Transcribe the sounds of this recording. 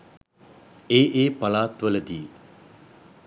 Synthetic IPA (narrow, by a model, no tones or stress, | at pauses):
eːʔeːpalaːt̪ʋələd̪iː